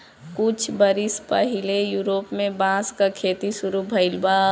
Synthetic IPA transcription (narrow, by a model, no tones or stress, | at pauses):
kʊt͡ʃʰbəɾispəɦilejuɾopmẽbãskakʰet̪isʊɾubʱəɪlba